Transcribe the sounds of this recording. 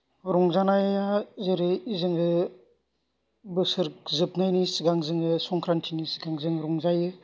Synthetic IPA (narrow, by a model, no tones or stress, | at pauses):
ɾɔŋzanajazeɾɯizɯŋɯ | bɯsɯɾkzɯp̚najnisiɡaŋzɯŋɯsɔŋkʰɾantʰinisɡaŋzɯŋɾɔŋzajɯ